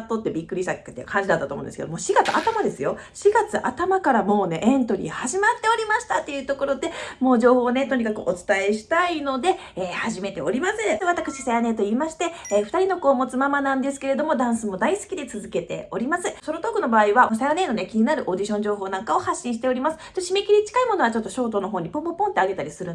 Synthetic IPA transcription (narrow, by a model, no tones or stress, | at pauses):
t̪ːo̞t̪ːe̞bʲikːɾʲiɕt̪akkɯt̪ːḛkʰãɲ̟d͡ʑid̪at̪ːat̪omõ̰nd̪esked̪omoːɕiɡat͡sɨat̪amad̪e̞sɨjo̞ | ɕiɡat͡sɨʔa̰t̪amakaɾamo̞ːne̞ʔẽ̞nt̪o̞ɾʲḭhaʑimat̪ːe̞o̞ɾʲimaɕi̥t̪at̪ːe̞jɯ̟ːt̪o̞ko̞ɾo̞d̪e̞mo̞ːʑo̞ːho̞ːnet̪o̞ɲ̟ikakɯ̟ʔo̞t͡sɨ̥t̪ae̞ɕi̥t̪aino̞d̪e̞ | eːhaʑime̞t̪e̞o̞ɾʲimasɨβat̪akɯ̟ɕisajane̞t̪o̞iːmaɕi̥t̪e̞ːɸɯ̟̥t̪aɾʲino̞ko̞ːmo̞t͡sɨmamanãnd̪e̞s̬ɨ̥ke̞ɾe̞d̪o̞mo̞d̪ãɰ̃sɨmo̞d̪aisɨ̥kʲid̪e̞t͡sɨzɨke̞t̪e̞̰o̞ɾʲimasɨso̞ɾo̞t̪o̞ːkɯ̟no̞baːiβao̞sajane̞ːno̞nekʲiɲinaɾɯ̟ʔod̪iɕõ̞ɲ̟d͡ʑo̞ːɦo̞ːnãŋkao̞haɕːĩɕi̥t̪e̞o̞ɾʲimasɨ̥t̪oɕime̞kʲiɾʲit͡ɕi̥kaimo̞no̞βat͡ɕo̞t̪ːo̞ɕo̞ːt̪o̞no̞ɦo̞ːɲ̟ipõ̞mpopõ̞nt̪eaɡe̞t̪aɾʲisɨɾɯ̃